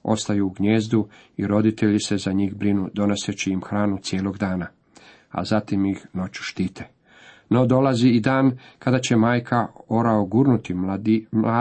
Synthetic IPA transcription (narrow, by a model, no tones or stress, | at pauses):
o̞̰st̪ajuːɡɲeːzd̪u | iɾo̞d̪it̪e̞ʎise̞zaɲiːɣbɾinud̪o̞ne̞set͡ɕiimxɾaːnut̪sjeːlo̞ɡd̪aːna | a̰zat̪imixno̞t͡ɕu̥ʃt̪iːt̪ʰe̥ | no̞d̪o̞laziid̪aːnkad̪at͡ɕe̞maːjkʰao̞ɾaoɡuɾnut̪imaː